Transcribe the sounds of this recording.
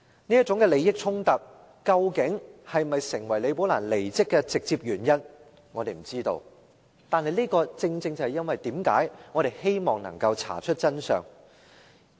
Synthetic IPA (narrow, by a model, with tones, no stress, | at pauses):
ni˥ɐ˥t̚t͡sʊ˨˥ŋkɛ˧le˨˧jɪ˥k̚t͡ʃʰʊ˥ŋt̪ɐ˨t̚ | kɐ˧wkɪ˨˥ŋhɐ˨jmɐ˨jsɪ˨˩ŋwɐ˨˩jle˨˧jpo˨˥wlaː˨˩nle˨˩jt͡sɪ˥kːɛː˧t͡sɪ˨k̚t͡siː˧p̚jyː˨˩njɐ˥n | ŋɔ˨˧e˨jm̩˨˩t͡siː˥t̪o̰˧w | t̪aː˨nhɐ˨jliː˥kɔː˧t͡sɪ˧ŋt͡sɪ˧ŋt͡sɐ˨˩hjɐ˥nwɐ˨jt̪iː˨˥mkaː˨˥jŋɔː˨˧ɾe˨jhe˥jmɔː˨ŋnɐ̰˨˩ŋkɐ˧wt͡sʰa̰ː˨˩t͡ʃʰɵ˥t̚t͡sɐ˥nsœ̰ː˨˩ŋ